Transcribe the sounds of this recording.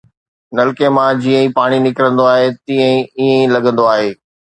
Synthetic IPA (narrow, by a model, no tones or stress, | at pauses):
nɐlɪkemãd͡ʑiːə̃ĩpaːɽ̃inɪkɾə̃nd̪oaːɦet̪ĩːə̃ĩiẽĩlɐɡʱə̃nd̪oaːɦeː